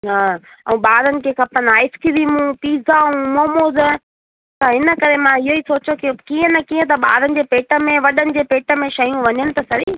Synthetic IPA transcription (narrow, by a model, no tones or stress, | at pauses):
na | ɛ̰̃ːɓaːɾənɪ̆kʰeːkʰɐpənaːɪskilimũp̪iːzaũmoːmoːz | t̪ɐɦɪnə̆kɐɾemãɪɦoiːsoːt͡ɕokɪkiːə̃nɐkiːə̃t̪̬ɐɓa̰ːɾənɪ̆d͡ʑeːpeːʈə̆mẽʋɐɗənɪ̆d͡ʑeːpeːʈə̆mẽʃɐijũʋɐɲənɪ̆t̪ɐsɐɾiː